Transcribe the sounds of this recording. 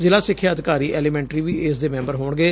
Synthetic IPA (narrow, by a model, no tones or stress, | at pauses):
zɪlaːsɪkʰːjaːəd̪ɪkaːɾiːʔɛːliːmɛ̃ːɳʈɾiːʋiːeːsd̪eːmɛ̃ːmbəɾɦoːɳɡeː